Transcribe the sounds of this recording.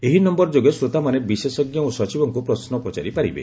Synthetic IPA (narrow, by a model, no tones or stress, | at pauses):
eɦinɔmbɔɾd͡ʒoɡesɾot̪amanebisesɔɡjɔosɔt͡ʃibɔŋkupɾɔsnɔpɔt͡ʃaɾipaɾibḛ